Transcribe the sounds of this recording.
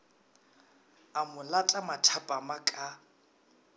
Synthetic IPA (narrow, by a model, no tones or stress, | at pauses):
amʊlatʼamatʰapʼamakʼa